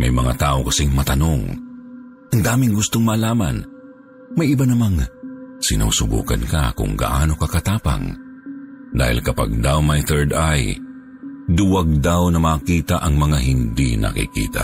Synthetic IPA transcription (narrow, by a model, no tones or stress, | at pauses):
mɐ̰jmɐŋa̰t̪aːʔokɐsɪŋmɐt̪ɐnoŋ | ʔɐŋd̪aːmɪŋɡʊst̪oŋmaːlaːman | mɐjɪbanɐmaŋsɪnṵsʊbṵːkɐ̰nka̰kʊ̰ŋɡa̰ʔaːno̞kakɐt̪aːpa̰ŋ | d̪a̰ːhɪ̰lkɐpa̰ɡ̚d̪awmɐjθɛɹd̪aj | d̪ʊwaɡ̚d̪awnɐmaːkiːt̪aʔɐŋmɐŋahɪnd̪inʔɐ̰kḭkḭːt̪a̰